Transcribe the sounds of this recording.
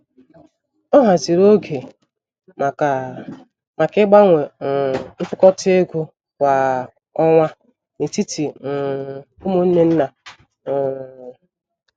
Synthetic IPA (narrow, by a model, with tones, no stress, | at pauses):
ɔ˦ɦa˨zi˨ɾo˦ɡe˨ | ma˨kɪ˦ɡ͡ba˦ŋʷe˨m̩˦fʊ˦kɔ˦te˦ɡʷu˦ | kʷa˨ | ɔ˦ŋʷa˦ | ne˨ti˦ti˨ | o˦mo˦n̩˦ne˦n̩˦na˨